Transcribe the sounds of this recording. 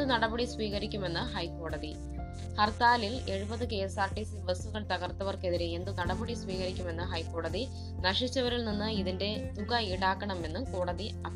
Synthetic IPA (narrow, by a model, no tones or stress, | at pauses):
ɨnɐɽɐbɐɽisʋiːɣɐɾikʲːume̞nːɨhɐjkːo̞ːɽɐði | hɐrt̪aːlile̞ɻubɐðɨke̞jsaːʈːisʋɐsuɣɐɭt̪ɐɣɐrt̪ːɐʋɐrke̞ðiɾeend̪ɨnɐɽɐbɐɽisʋiːɣɐɾikʲːume̞nːɨɦɐjkːo̞ːɽɐði | nɐʂit͡ɕːɐʋɐɾilninːɨiðinde̞t̪uɣɐiɽaːkːɐɳɐme̞nːumkoːɽɐði | ɐ